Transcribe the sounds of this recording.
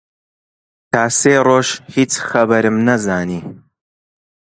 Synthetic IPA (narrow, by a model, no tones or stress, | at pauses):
t̪ʰaːseːroːʃhiːt͡sxɐbɐɾɨmnɐzaːniː